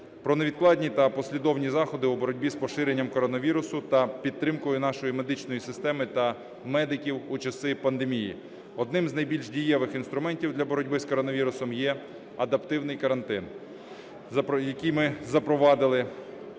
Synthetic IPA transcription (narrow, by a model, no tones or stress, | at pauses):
pɾɔneʋʲid̪̚klˠɑdʲnʲit̪ɐpɔsʲlʲid̪ɔwnʲizɑxɔd̪ɪubɔɾɔdʲbʲispɔʃɪɾenʲːɐmkɔɾɔnɔʋʲiɾʊsʊt̪ɐpʲid̪̚t̪ːɾɪmkɔjʊnɑʃɔjime̞d̪ɪt͡ʃnɔjisɪst̪ɛmɪt̪ɐ | mɛd̪ɪkʲiwut͡ʃɐsɪpɐnd̪emʲijḭ | ɔd̪nɪmznɐjbʲilʲʒdʲijɛʋɪxinst̪ɾʊmɛnʲtʲiwd̪lʲɐbɔɾɔdʲbɪskɔɾɔnɔʋʲiɾʊsɔmjɛ | ɐd̪ɐpt̪ɪwnɪjkɐɾɐnt̪ɪn | zɐjɐkʲijmɪzɐpɾɔʋɑd̪ɪlˠɪ